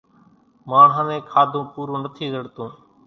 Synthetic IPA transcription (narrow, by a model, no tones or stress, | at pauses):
mãːɦənẽːkʰaːd̪ʱõːpuːɾõːnət̪ʰiːzəɽt̪õː